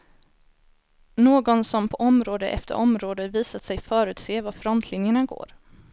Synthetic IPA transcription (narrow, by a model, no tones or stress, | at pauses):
noːɡɔnsɔmpʰɔʔɔmɾoːd̪əʔɛ̰ft̪ə̰ɾʔɔmɾoːd̪əviːsat̪sɛjfœːɾʉ̟ːt̪seːvafɾɔnt̪ʰlɪnjəɳaɡo̰ːɾ